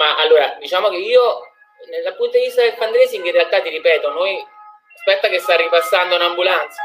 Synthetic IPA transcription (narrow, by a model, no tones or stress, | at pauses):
maʔalːoːɾad̪it͡ʃaːmokeiːo | nelːapːunt̪oivist̪ad̪elfand̪ɾeːsiŋkerːealt̪at̪ːiɾipɛːt̪onoj | aspɛt̪ːakest̪arːipasːand̪ounambulant̪sa